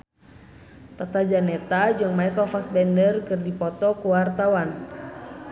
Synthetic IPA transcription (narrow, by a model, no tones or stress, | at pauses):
t̪at̪ad͡ʒanɛt̪ad͡ʒɨŋmaɛkɔfasbɛndərkɨrdipɔt̪ɔkuwart̪awan